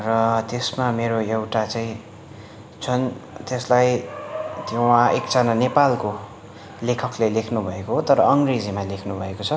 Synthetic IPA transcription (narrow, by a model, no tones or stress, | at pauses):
rʌt̪esmameɾoewʈat͡saĩ | t͡sʰʌnt̪eslaj | t̪jowãʔekd͡zananepalko | lekʰʌklelekʰnubʱʌekoɦot̪ʌɾʌʌŋred͡zimalekʰnubʱʌekot͡sʰʌ